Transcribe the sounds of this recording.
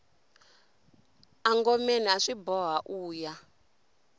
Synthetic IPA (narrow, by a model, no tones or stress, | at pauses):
aŋɡɔmɛnaʂibɔɦaʔuːja